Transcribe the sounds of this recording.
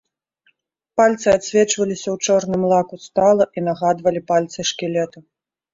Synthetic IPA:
palʲt̪sɨat̪sʲvʲɛt͡ʂvɐlʲisʲɐwt͡ʂɔrnɨmlˠakust̪alˠɐʔinaɣad̪vɐlʲipalʲt̪sɨʂkʲilʲɛt̪ɐ

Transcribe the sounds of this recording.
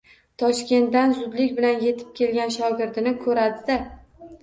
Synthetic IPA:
t̪ʰɒʃkʲe̞nt̪d̪anzʊd̪lɪkʲbɪlanje̞t̪ʰɪ̥p̚kʲʰe̞lɡʲanʃɒɡʲɪɾd̪ɪnɪkʰɵɾad̪ɪd̪a

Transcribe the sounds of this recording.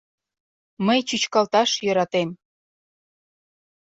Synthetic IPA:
məjt͡ɕyt͡ɕkɑlt̪ɑʃjøɾɑt̪em

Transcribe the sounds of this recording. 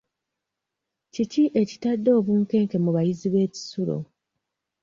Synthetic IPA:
ciciʔe̞citadːo̞ːβuːŋke̞ːŋke̞muβajiziβe̞ːci̥sulo̰

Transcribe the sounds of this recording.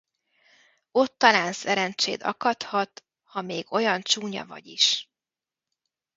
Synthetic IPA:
o̞t̪ːɒlaːnsɛɾɛnt͡ʃḛːd̪ɒ̰kɒt̪hɒt̪ | hɒmeːɡ̥o̞jɒnt͡ʃuːɲɒ̰vɒ̰ɟiʃ

